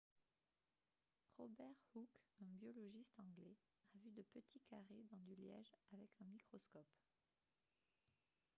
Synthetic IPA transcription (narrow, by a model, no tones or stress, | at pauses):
ʁɔ̰bɛʁhukɛ̃bjɔlɔʒist̪ɑ̃ɡlɛ | avyd̪əpət̪ʰikaʁed̪ɑ̃d̪yljɛ̰ʒavɛkʰɛ̃mikχɔskɔp